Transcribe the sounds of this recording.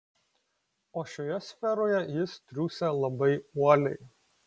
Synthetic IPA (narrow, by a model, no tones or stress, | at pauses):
oːʃʲoːjɛsʲfʲɛɾoːjɛjɪst̪ʲɾʲuːsʲelˠɐbɐɪuɔlʲɛɪ